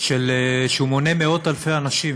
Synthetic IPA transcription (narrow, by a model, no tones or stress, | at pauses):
ʃeleʃeumo̞nemeo̞t̪alfejanaʃim